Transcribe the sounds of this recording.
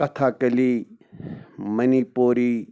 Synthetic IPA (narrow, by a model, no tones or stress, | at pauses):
ɐt̪ʰaːkɐli | mɐniːpoːɾiː